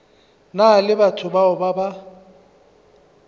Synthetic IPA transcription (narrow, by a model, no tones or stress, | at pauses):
nalɪbatʰʊbaʊbaba